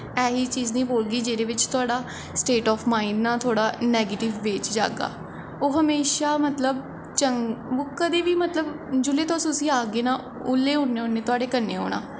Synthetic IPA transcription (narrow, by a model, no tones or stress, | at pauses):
ɛːɦiːt͡ʃiːznĩːboːlɡiːd͡ʒeːɾeːʋɪt͡ʃt̪ʊaːɖaː | sʈeːʈɔːpʰmaːɪɖnãːt̪ʰoːɽaːnɛːɡeːʈɪʋːeːt͡ʃd͡ʒa̰ːɡa̰ː | oːɦəmeːʃaːmət̪ləb̚ | t͡ʃəŋoːkəd̪eːʋiːmət̪ləb | d͡ʒʊleːt̪oːsʊsĩːaːɡeːnãː | ʊlːeːɦʊɳːeːɦʊnːeːt̪ʊaːɖeːkənḛːɦo̰ːɽ̃a̰ː